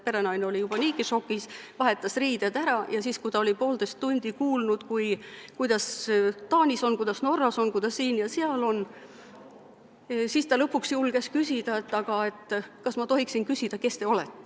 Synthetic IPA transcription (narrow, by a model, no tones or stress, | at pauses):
pe̞ɾenɑjneo̞lʲijub̥ɑniːkiʃo̞kːˑisvɑɦe̞t̪ːˑɑsriːd̪̥ɑd̪̥æɾɑjɑsiːskujt̪ɑo̞lipo̞ːld̪e̞st̪ːunʲd̪̥ikuːlnud̪̥kujkujd̪̥ɑst̪ɑːnʲiso̞nkujd̪̥ɑsno̞rːɑso̞nkujd̪̥ɑsːiːnjɑseɑlo̞n | sist̪ɑlɤpːˑuksjulɡ̥e̞skysʲid̪̥ɑet̪ːˑɑɡ̥ɑe̞t̪ːˑkɑsmɑt̪o̞ɦiksinkysʲid̪̥ɑke̞st̪e̞o̞lɛt̪ːˑe